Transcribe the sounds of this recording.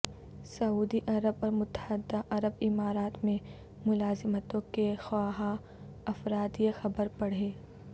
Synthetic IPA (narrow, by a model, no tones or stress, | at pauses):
sɐuːd̪iʔɐɾəbɔːɾmʊt̪ə̥həd̪ːaʔɐɾəbɪmaːɾaːt̪mẽ | mʊlaːzɪmət̪õkexaːɦa | ɐfɾaːt̪jexɐbəɾpɐɽ̤eː